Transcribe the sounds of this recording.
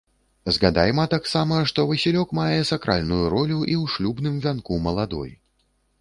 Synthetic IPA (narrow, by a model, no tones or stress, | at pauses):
zɣad̪a̰jmɐt̪aksamɐʂt̪ɔvɐsʲilʲɔkmajɛsakɾʔa̰lʲnujuɾɔlʲuʔiwʂlʲubnɨmvʲankumɐlˠad̪ɔ̰j